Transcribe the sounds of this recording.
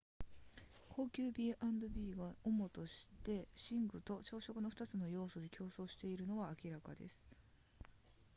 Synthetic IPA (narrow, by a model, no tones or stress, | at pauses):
kʰo̞ːkʲɨːbʲiːʔãnd̪o̞bʲiːɡaomo̞t̪o̞ɕi̥t̪e̞ɕĩŋɡɯ̟t̪o̞t͡ɕo̞ːɕo̞kɯ̟no̞ɸɯ̟̥t̪at͡sɨno̞jo̞ːso̞d̪e̞kʲo̞ːso̞ːɕi̥t̪e̞iɾɯ̟no̞ɡaːkʲiɾakad̪e̞̰sɨ̥